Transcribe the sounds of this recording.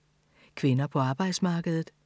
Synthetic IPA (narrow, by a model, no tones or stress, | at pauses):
kʰʋe̝nɐpʰɒ̽ɑ̈ːb̥ɑ̈ɪd̥smɑ̈ːɡ̥əð̩ˠð̩ˠ